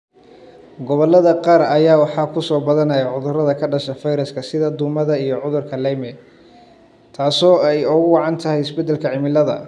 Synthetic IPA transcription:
ɡɔβɔlːɐðɐqɑːɾɐjaːwɑħɑːkʰʊsɔːbɐðɐnɐjɐʕʊðʊrɐðɐkʰɐɖɐʃɐfɐjɾɐskʰɐsɪðɐd̪ʊmɐðɐijɔʕʊðʊrkʰɐlɛjmɛ | t̪ʰaːsɔːɛjʊɣʊwɑʕɑnt̪ʰɐɦɛjɪsbɛd̪ːɛlkʰɐʕɪmɪlɐðɐ̰

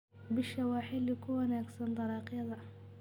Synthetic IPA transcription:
bɪʃɐwɑːħɪlɪkʰʊwɑnaːɡsɐnd̪ˤɑɾɑːqjɐðɐ

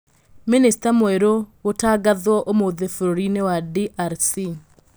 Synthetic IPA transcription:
ministamweɾootaːɡaðwɔʔomoðefoɾoɾinewadiʔaɾsi

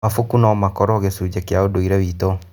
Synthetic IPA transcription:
afokunamakɔɾɔɣesud͡ʑɛkeaodoiɾɛβiːto

